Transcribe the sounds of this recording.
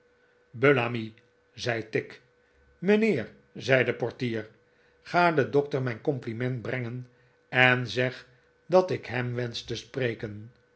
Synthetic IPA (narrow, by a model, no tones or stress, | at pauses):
bølaːmi | zɛjtɪk | məneːr | zɛjdəpɔɹtiːɹ | χaːdədɔk̚təɹmɛjnkɔmplimɛntbrɛŋən | ɛnzɛχ | dɑtɪkɦɛmʋɛnstəsprejkən